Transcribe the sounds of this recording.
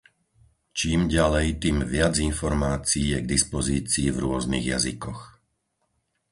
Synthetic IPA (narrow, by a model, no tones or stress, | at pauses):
t͡ʃiːmɟalɛjt̪iːmʋɪad͡zinfɔɾmaːt͡siːjɛɡd̪ispɔziːt͡siːvɾʊɔznḭɣja̰zḭkɔx